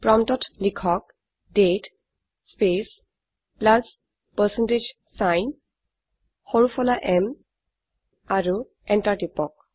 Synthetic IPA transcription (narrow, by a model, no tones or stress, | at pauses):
pɹɔmtɔtlikʰɔk̚ | det | spes | plas | pəsɛnted͡ʒ | sajn | xoɹupʰɔlaʔɛm | aɹu | ɛntaɹtipɔk̚